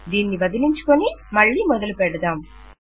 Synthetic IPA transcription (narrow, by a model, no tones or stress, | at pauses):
d̪iːnːiʋɐd̪iliɲt͡ʃu̥konimɐɭːiːmɔd̪ɐlupɛɽɐd̪aːm